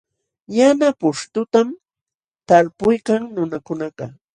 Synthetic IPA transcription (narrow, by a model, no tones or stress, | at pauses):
janapʊʃt̪ʊt̪am | t̪aɾpʊjkaŋnʊnakʊnɑɢɑ